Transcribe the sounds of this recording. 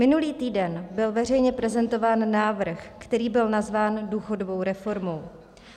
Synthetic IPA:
mɪnuliːt̪iːdɛnbɪlvɛr̝ɛjɲɛpɾɛzɛnt̪o̞vaːnːaːvr̩xkt̪ɛɾiːbɪlnazvaːnduːxo̞dobo̞wɾɛfo̞ɾmo̞w

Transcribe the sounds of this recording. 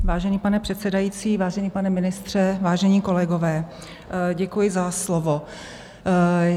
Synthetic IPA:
vaːʒɛniːpanɛpr̥ɛt̪sɛdajiːt͡siːvaːʒɛɲiːpanɛmɪnɪst̪r̥ɛvaːʒɛɲiːko̞lɛɡovɛː | ɟɛkujɪzaslovo

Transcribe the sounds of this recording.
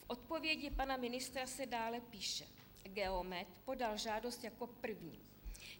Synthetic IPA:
fʔo̞t̪po̞vjɛɟɪpanamɪnɪst̪ɾasɛdaːlɛpiːʃɛ | ɡɛomɛt̪po̞dalʒaːdo̞st̪jako̞pr̩vɲḭː

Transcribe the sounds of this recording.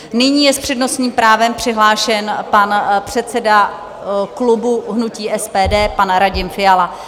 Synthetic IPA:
nɪɲiːjɛspr̥ɛdno̞sɲiːmpɾaːvɛmpr̥ɪɦlaːʃɛnpanpr̝̥ɛt̪t͡sɛda | klubuɦnuciːʔɛspɛːdɛːpanɾaɟɪmfɪjala

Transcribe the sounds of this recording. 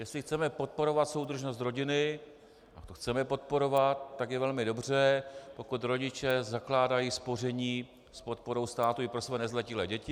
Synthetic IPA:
jɛslɪxt͡sɛmɛpo̞t̪̚po̞ɾo̞vat̪so̞wd̪r̩ʒno̞st̪ɾo̞ɟɪnɪ | at̪oxt͡sɛmɛpo̞t̪̚po̞ɾo̞vat̪̚ːakjɛvɛlmɪdo̞br̝ɛpo̞kut̪ɾo̞ɟɪt͡ʃɛzaklaːdajiːspo̞r̝ɛɲiː | spo̞t̪̚po̞ɾo̞wst̪aːt̪uɪpɾo̞svɛːnɛzlɛcɪlɛːɟɛcɪ

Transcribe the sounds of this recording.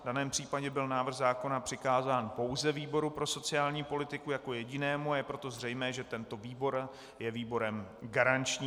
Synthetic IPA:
vdanɛːmpr̥iːpaɟɛbɪlnaːvr̩xzaːko̞napr̝̥ɪkaːzaːnpo̞wzɛviːbo̞ɾupɾo̞so̞t͡sɪaːlɲiːpo̞lɪt̪ɪkujako̞jɛɟɪnɛːmuajɛpɾo̞t̪o̞zr̝ɛjmɛːʒɛt̪ɛnt̪o̞viːbo̞ɾ | jɛviːbo̞ɾɛmɡaɾant͡ʃɲiː

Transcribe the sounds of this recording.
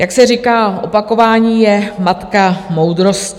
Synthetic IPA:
jaksɛrikaːʔo̞pako̞vaːɲiːjɛmat̪kamo̞wd̪ɾo̞sc

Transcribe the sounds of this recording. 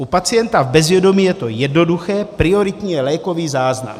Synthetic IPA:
ʔupat͡sɪjɛnt̪avbɛzvjɛdo̞miːjɛt̪o̞jɛdno̞duxɛːpɾɪo̞ɾɪt̪ɲɛlɛːko̞viːzaːzna̰m

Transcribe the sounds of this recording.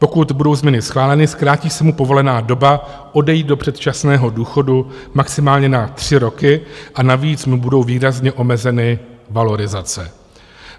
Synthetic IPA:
po̞kut̪budo̞wzmɲɛnɪsxlaːlɛnɪskɾaːciːsɛmupovo̞lɛnaːdo̞ba | ʔo̞dɛjiːd̪̚do̞pr̥ɛt̪t͡ʃasnɛːɦo̞duːxo̞du | maksɪmaːlɲɛnat̪r̝̥ɪɾo̞kɪʔanaviːt͡smubudo̞wviːɾazɲɛʔo̞mɛzɛnɪvalo̞ɾɪzat͡sɛ

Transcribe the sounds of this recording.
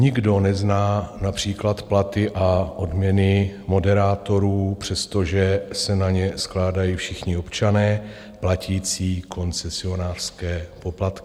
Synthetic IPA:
ɲɪɡdo̞nɛznaːnapr̝̥iːklat̪plat̪ɪʔaʔo̞dmɲɛnɪmo̞dɛɾaːt̪o̞ɾuːpr̝̥ɛst̪o̞ʒɛsɛnaɲɛsklaːdajiːfʃɪxɲɪopt͡ʃanɛː | placiːt͡siːko̞nt͡sɛsɪo̞naːr̥skɛːpo̞plat̪kɪ̥

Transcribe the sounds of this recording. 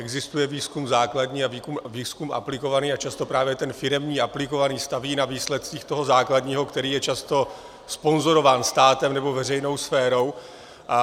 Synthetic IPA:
ʔɛɡzɪst̪ujɛviːskumzaːkladɲiːaviːkumviːskumʔa̰plɪko̞vaniːat͡ʃast̪o̞pɾaːvjɛt̪ɛnfɪɾɛmɲiːʔaplɪko̞vaniːst̪aviːnaviːslɛt̪̚t͡siːxt̪o̞ɦo̞zaːkladɲiːɦo̞kt̪ɛɾiːjɛt͡ʃast̪o̞ | spo̞nzo̞ɾo̞vaːnst̪aːt̪ɛmnɛbo̞vɛrɛjno̞wsfɛːɾo̞w

